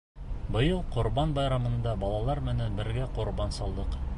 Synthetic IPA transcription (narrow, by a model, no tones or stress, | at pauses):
bɤ̆jɤlˠqŏɾbɑnbɑjɾɑmɤ̆nd̪ɑbɑlˠɑlˠɑɾmɘ̆nænbɘ̆ɾɡæqŏɾbɑnsɑlˠd̪ɤq